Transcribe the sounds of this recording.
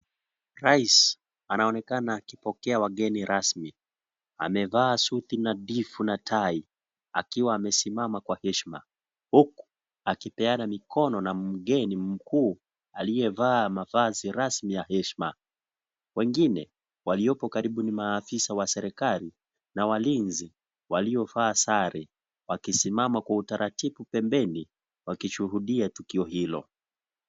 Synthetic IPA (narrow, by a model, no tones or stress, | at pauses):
ɾais | anaɔnɛkanaːkipɔkɛawaɠɛniɾʔasmi | a̰mɛvaːsuθinaɗifunatʰai | a̰kiwaːmɛsimamakwahɛʃma̰ | huku̥ | akipɛanamikɔnɔnam̩ɠɛnim̩kuː | alijɛvaːmavaziɾasmijahɛʃma̰ | wɛŋɡinɛ | waliɔpɔkaɾiɓunimaːfisawasɛɾɛkali | nawalinzi | waliɔvaːsaɾɛ | wakisimamakwautaɾʔatiɓupɛmbɛni | wakiʃuɦuɗiatukiɔɦilɔ̰